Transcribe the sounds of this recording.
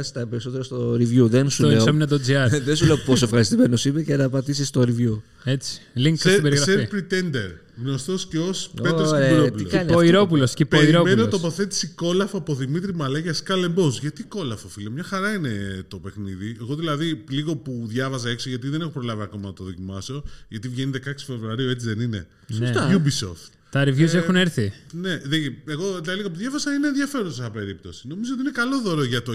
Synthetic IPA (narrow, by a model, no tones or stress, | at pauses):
st̪ɐpeɾiso̞t̪e̞ɾost̪oɾivʝuðe̞nsuesɐminɐt̪od͡ziɐɾðensule̞oposoefxɐɾist̪ime̞nosipecenɐpɐt̪isist̪o̞ɾivju | et͡si̥liŋksesbeɾiɾɐseɾpɾit̪end̪eɾ | ɣno̞st̪osceospeɾosɾeɾoput̪ilokɐnioiɾopulosipeɾɾomenot̪opoθe̞t̪i̥siko̞lɐfopoðimit̪ɾimɐlɐʝɐskɐle̞mbozʝɐt̪iko̞lɐfofilemɲɐxɐɾɐinet̪o̞pe̞xniðie̞ɣo̞ðilɐðiliɣo̞puðʝɐvɐzɐe̞ksoʝɐt̪iðene̞xo̞pɾo̞lɐviɐko̞mɐnɐt̪oðo̞cimɐso̞ʝɐt̪ivʝe̞niðe̞kɐksi̥fe̞vɾuɐɾiue̞t͡siðenine̞̰ | st̪oʝubiso̰ft̪ | t̪ɐɾivʝus̬exuneɾθine̞ðeeɣo̞ðilɐðiliɣop̬uðʝɐvɐzɐinenðʝɐfe̞ɾossɐpe̞ɾip̚t̪o̞si̥no̞mizot̪inekɐlo̞ðo̞ɾoʝɐt̪o